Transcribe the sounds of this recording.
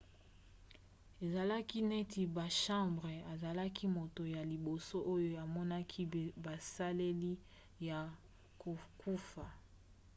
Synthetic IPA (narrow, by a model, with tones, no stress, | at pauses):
e˨za˨la˦ki˦nɛ˦tʰi˨ba˨ʃã˦mbʁe˨a˨za˨la˦ki˦mo˨to˨ja˨li˨bo˨so˦ʔo˦jo˦a˨mɔ˦na˦kʰi˦ba˨sa˦le˦li˦ | ja˨ | ko˨ku˦fa˨